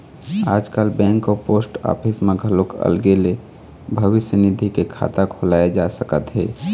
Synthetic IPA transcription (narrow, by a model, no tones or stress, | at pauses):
a̰ːd͡ʒkəlbɛ̃ːŋkopoːsʈɔ̰ːpʰɪsmeɡʱəlokə̰lɡele | bʱəʋɪsjənid̪ʱikekʰa̰t̪akʰolaːed͡ʒasəkət̪ɦɛ̰ː